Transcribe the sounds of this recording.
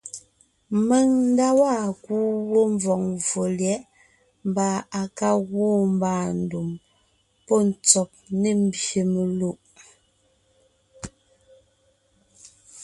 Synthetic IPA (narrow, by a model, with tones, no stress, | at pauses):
mɛ˨ŋn̩˦da˦wa˦˨kuː˦wo˦ɱ˦vɔ˨ŋvo˨ljɛ˨˦ʔ | m˨ba˨a˨ka˦ɣwoː˦m˦baː˦˨n̩˦˨du˨m | pɔ˦n̩˨t͡sɔ˨p̚ne˦m̩˦bje˨me˨lu˦˨ʔ